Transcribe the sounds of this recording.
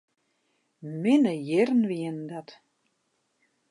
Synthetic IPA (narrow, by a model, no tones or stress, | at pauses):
mɪnəjɛrnviənd̪at̪